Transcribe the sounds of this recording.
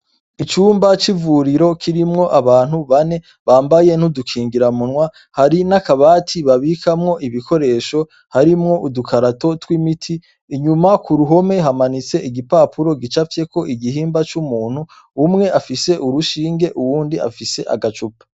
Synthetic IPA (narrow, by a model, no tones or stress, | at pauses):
it͡ʃuːmbat͡ʃivuɾiɾo̞kʰiɾimŋo̞ʔaβaːnhuβane̞ | βaːmbaje̞n̥udukʰiːŋɡiɾamunŋwa | haɾinakaβaːtʰiβaβikʰamŋo̞ʔiβikʰo̞ɾe̞ːʃo̞ | haɾimŋo̞ʔudukʰaɾato̞twimitʰiː | ɲumakuɾuɦo̞me̞ɦamanit͡se̞ʔiɡipaːpʰuɾo̞ɡit͡ʃafje̞ko̞ʔiɡiɦiːmbat͡ʃumuːn̥hu | umŋe̞afise̞ʔuɾuʃiːŋɡe̞ʔuwuːndia̰fise̞ʔa̰ɡat͡ʃupḁ